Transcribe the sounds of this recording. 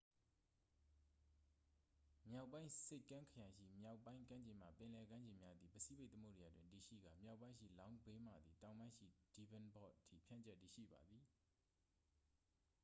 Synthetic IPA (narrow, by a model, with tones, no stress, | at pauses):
mja˦ʊpːã˦ɪ̃se˦ɪkːã˦ŋkʰə˨jã˨ʃḭ˦˨mja˦˨ʊpːã˦ɪ̃ŋkã˦ɲd͡ʑẽ˨m̥a̰˨pɪ̃˨lɛ˨ɡã˦ɲd͡ʑẽ˨mja˦d̪ði˨pəsi˦˨be˦ɪʔt̪ə˦mo̰˦˨dja˨dwɪ̃˨nti˨ʃḭ˦˨ɡa˨mja˦˨ʔpːã˦ɪ̃˦ʃḭ˦˨lã˦ʊ̃be˦m̥a̰˨d̪ði˨tã˨ʊ̃mã˦ɪ̃ʃḭ˦˨di˨bɛ̃˨nbɔ̰˦˨ʔtʰḭ˦˨pʰjã̰˦˨ɲt͡ɕɛ˦˨tːi˨ʃḭ˦˨ba˨d̪ði˨